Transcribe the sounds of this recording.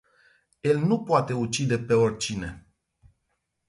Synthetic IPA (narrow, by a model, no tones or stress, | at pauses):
je̞lnupoat̪e̞ut͡ʃid̪e̞pe̞o̞rʲt͡ʃine̞